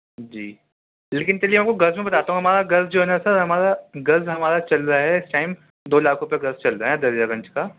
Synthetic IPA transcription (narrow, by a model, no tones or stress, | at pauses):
d͡ʒḭː | leːkɪnt̪ɛliemeap̚koɡɐɾzmẽbɐt̪aːt̪aːɦũɦɐmaːɾaɡɐɾzd͡ʒoːɦɛnasɐɾɦɐmaːɾaɡɐɾzɦɐmaːɾat͡ʃɐlɾaɦɛɪsʈaːɪm | d̪oːlaːkʰɾʊpjaɡɐɾzt͡ʃɐlɾaɦɛd̪ɐɾjaɡɐ̃nt͡ʃkaː